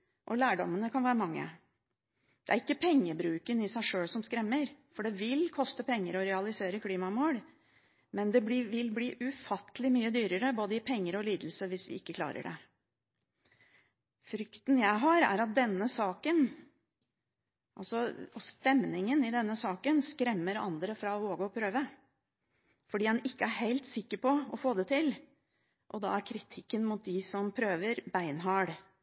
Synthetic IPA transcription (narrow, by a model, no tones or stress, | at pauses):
ʔɔlæːɖɔmənəkʰɑnʋæːɾəmɑŋːə̰ | d̪̥ɛæɾɪkːəpʰɛŋːəbɾʉːkənɪsæɪʂøːɽsɔmskɾɛmːəɾfɔɖɛʋɪlkʰɔst̪əpʰɛŋːəɾɔɾɛɑlɪseːɾəkʰliːmɑmoːɽ | mɛnd̪ɛb̪ɪʋɪlbliːʔʉfɑt̪əlɪmyːəd̪yːɾəɾəboːd̪əɪpʰɛŋːəɾɔliːd̪l̩səʋɪsʋɪ̰ɪkːəkʰlɑ̰ːɾə̰ɖɛ̰ | fɾʏkt̪njæɪɦɑɾæ̰ɾɑt̪̚d̪ɛnːəsɑːkən | ʔɑlsɔɔst̪ɛmnɪŋənɪd̪ɛnːəsɑːkənskɾɛmːəɾɑ̰nd̪ɾəfɾɑʋoːɡəɔpʰɾøːʋə | fɔɖiːɛnɪkːəæɾhæɪlt̪sɪkːəɾpɔɔfoːd̪ɛt̪ʰɪl | ʔɔd̪ɑ̰ːæɾkʰɾɪt̪ʰɪkːənmʊːt̪̚d̪ɪsɔmpʰɾøːʋəɾbæɪnɦɑɽ